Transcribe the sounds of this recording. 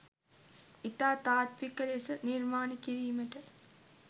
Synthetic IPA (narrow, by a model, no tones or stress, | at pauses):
it̪aːt̪aːt̪ʋikɐlesəniɾmaːnikiɾiːmɐʈə